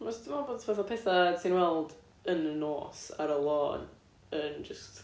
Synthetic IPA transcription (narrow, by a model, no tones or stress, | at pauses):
mɔsdmaboːdsʰpɛθapʰɛθasʰiːnwɛlˠd | ənənoːsa̰ɾəlˠɔːn | ənd͡ʒəst